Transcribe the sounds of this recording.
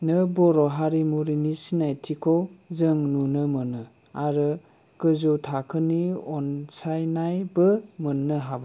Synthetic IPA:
nɯbɔɾɔɦaɾimuɾinisinajtʰikʰɔwzɯŋnunəmɯnɯ | aɾɯ | kɯzɔtʰakʰɯniɔnsajnajbɯmɯnːəɦabɯ

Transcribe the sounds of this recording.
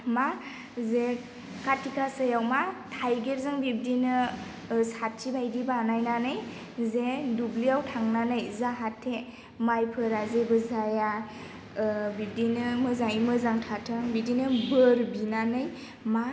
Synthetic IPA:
ma | ze | katʰikʰasəjawmatʰajɡeɾzɯŋbib̚dinɯ | satt͡ʃibajɡibanajnanɯj | zedublijawtʰaŋnanɯjzaɦatʰːe | majpʰɯɾazebɯzaja | bib̚dinɯmɯzaŋimɯzaŋtʰatʰɯŋbidinɯbɯɾbinanɯj | ma

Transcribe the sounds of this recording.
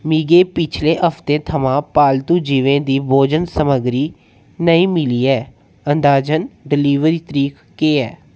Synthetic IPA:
miːɡeːpɪt͡ʃʰlẽːʔəfʰt̪ẽːt̪ʰəmãːpaːlt̪uːd͡ʒiʋẽːd̪iːboːd͡ʒənsəməɡɾiː | nəĩːmɪliːɛː | ənd̪aːd͡ʒənɖɪliːʋɾiːt̪əɾiːk | keːɛː

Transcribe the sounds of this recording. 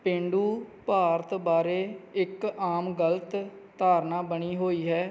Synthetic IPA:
pẽːɳɖuːpaːɾt̪baːɾeːɪkaːmɡəlt̪ | t̪aːɾnaːbəɳiːɦoːiːɦɛː

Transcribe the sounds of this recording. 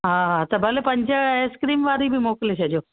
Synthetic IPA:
ɦãɦãt̪əbəlepəɲd͡ʒəskɾiːmʋaːɾibʱimoːkleʃed͡ʒo

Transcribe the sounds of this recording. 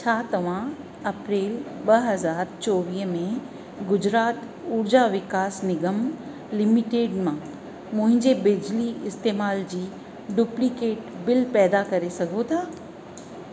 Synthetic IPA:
t͡ɕʰaːt̪ɐʋ̤ã | ɐpɾeːlɓɐɦɐzaːɾt͡ɕoːʋiːɦmẽ | ɡʊd͡ʑɾaːt̪ | uːɾd͡ʑaʋɪkaːsnɪɡəm | lɪmɪʈeːɖmãː | mʊ̃ɦɪ̃ɲd͡ʑebɪd͡ʑliɪst̪eːmaːld͡ʑiː | ɖuplikeːʈbɪlpɛːd̪akɐɾesɐɡʱot̪ʰaː

